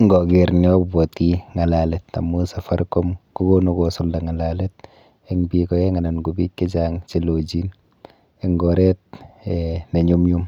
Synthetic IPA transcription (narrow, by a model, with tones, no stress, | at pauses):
ŋɡɔ˨ɡe˨ɾni˦ɔ˦bɔ˨ti˦ŋa˨la˨lɛ˨tːa̰˨mu˦sa˨fa˦ɾkɔ˦mku˦ɡo˦nu˦ɡɔ˨sʊ˦lda˨ŋa˨la˨le˦t̚ | ɪ˦ŋbi˨kɔ˨je˦ŋa˨na˨nɡu˨bi˦t̚ki˦d͡ʒaŋt͡ʃi˦lo˨d͡ʒi˦n | ɪ˦ŋɡɔ˨ɾɛ˦t̚e˨ne˨ɲu˦mɲu˦m